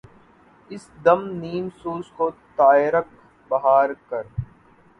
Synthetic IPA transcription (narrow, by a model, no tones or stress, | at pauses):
ɪsd̪ɐmniːmsuːskot̪aːɪɾək̚ | bɐɦaːɾkɐɾ